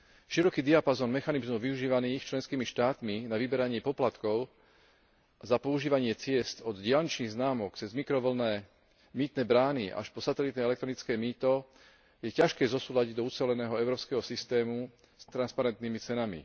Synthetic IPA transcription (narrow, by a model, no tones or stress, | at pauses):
ʃiɾɔkiːd̪iapazɔːnmɛxanizmɔʋiuʒiːʋaniːxt͡ʃlɛnskiːmiʃt̪aːt̪minaʋibɛɾaɲɪɛpɔplat̪kɔʊ | zapɔuʒiːʋaɲɪɛt͡sɪɛst̪ɔd̪ɟɪalɲit͡ʃniːɣznaːmɔkt͡sɛzmikɾɔʋl̩nɛː | miːt̪nɛːbɾaːniʔa̰ʃpɔsat̪ɛlit̪nɛɛlɛk̚t̪ɾɔnit͡skɛːmiːt̪ɔ | jɛcaʃkɛːzɔsuːlaɟiɟd̪ɔut͡sɛlɛnɛːɦɔɛʊɾɔːpskɛɦɔsist̪ɛːmu | st̪ɾanspaɾɛnt̪nimit͡sɛnamḭ